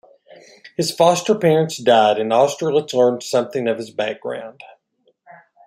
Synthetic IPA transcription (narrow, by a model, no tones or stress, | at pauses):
hɨz̥fɑstə˞pʰɛɹɨ̃ntsd̥aɪɾɨ̃nɑstɹ̥əlˠətslɜ̃˞nd̥sʌ̃mθɪ̃ŋʌv̥ɨzbæk̚ɡ̥ɹã̰ʊ̃nd̥